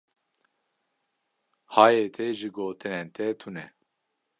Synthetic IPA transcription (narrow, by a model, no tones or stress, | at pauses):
haːjeːt̪ʰeʒɨɡoːt̪ɨneːnt̪ʰɛt̪ʰunɛ